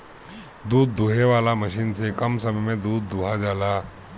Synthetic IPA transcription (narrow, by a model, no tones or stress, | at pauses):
d̪uːd̪ːuɦeʋalaməɕiːnsekəmsəmmed̪uːd̪ːuɦad͡zala